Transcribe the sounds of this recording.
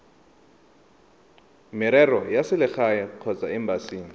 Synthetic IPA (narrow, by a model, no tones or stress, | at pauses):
mɪɾɛrɔjasɪlɪxajɛq͡χʰɔt͡sʼaɪmbasiːŋi